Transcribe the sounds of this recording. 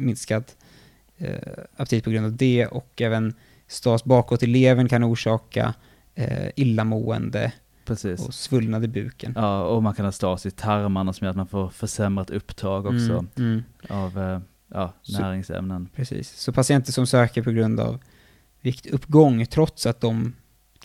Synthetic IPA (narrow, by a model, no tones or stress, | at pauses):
mɪnskad̪ | apt̪iːpɔɡɾɵnavd̪ɛɔ̰kɛːvən | st̪ɑːsbɑːkɔt̪ːɛleːvənkʰanuːʂɑːka̰ | ɪlːamuːə̰nd̪ə̰ | pʰɾɛsiːsɔ̰svɵlnad̪ɪbʉ̟̰ːkʰənɑːɔmankʰanhɑst̪ɑːsɪt̪ʰaɾmaɳasɔmjœːɾat̪manfoːɾfœɾʂɛmɾat̪ɵpːd̪ʰɾɑːɡɔkssɔ | av | jɑːnæːɾɪŋsɛ̰mnənpʰɾɛsḭːsːɔpʰasɪɛnt̪əʂɔmsøːkəɾpʰɔɡɾɵnd̪a̰v | vɪkt̪ɵpːɡɔŋːt̪ʰɾɔt̪sat̪̚d̪ɔm